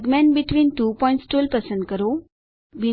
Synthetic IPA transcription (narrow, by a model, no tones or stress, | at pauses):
ɡmãnbiʈʋiːnʈupɔ̃iɳʈsʈulpəsənd̪kəɾo | ʋi